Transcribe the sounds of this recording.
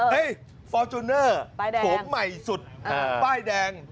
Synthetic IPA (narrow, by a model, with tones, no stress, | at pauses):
hɯ˦˥˩j | fɔː˧t͡ɕu˧nɤː˥˩a˥˧o˨˦mːa˨˩jsu˨˩t̪̚paː˥˩jdɛː˧ŋ